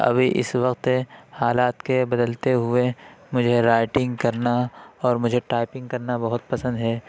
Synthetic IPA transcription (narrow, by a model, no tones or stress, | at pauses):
ɐ̰bʱiʔɪ̰sʋɐqt̪ehaːlaːt̪kebɐd̪əlt̪eɦʊemʊd͡ʒʱeɾaːɪʈɪ̃ŋɡkɐɾnaɔːɾmʊd͡ʒʱeʈaːɪpɪ̃ŋɡ̚kɐɾnabɐɦʊt̪̚pɐsə̃nd̪ɦɛː